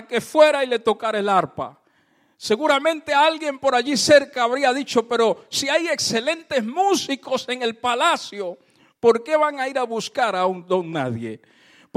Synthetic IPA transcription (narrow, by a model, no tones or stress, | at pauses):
ke̞fwe̞ɾaile̞t̪o̞kaɾelaɾpa̰ | se̞ɣuɾamẽ̞nt̪e̞alɣje̞mpo̞ɾaʝise̞ɾkaːβɾiaðit͡ʃo̞pe̞ɾo̞siaje̞kse̞le̞nt̪e̞zmusiko̞se̞ŋe̞lpalasjo | po̞ɾke̞βaŋaiɾaβuskaɾaund̪o̞ŋna̰ðje̞̰